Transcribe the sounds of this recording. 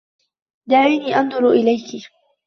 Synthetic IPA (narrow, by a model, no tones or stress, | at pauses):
d̪aʕiːniːʔɑnd̪ˤʊɾʔɪlajkɪ